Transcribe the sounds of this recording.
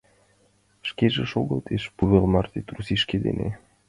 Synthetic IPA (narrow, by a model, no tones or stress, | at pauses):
ʃkeʒeʃoɣɤ̆lt̪ʰeʃpuβelmɑrt̪et̪rusiʃked̪ḛnḛ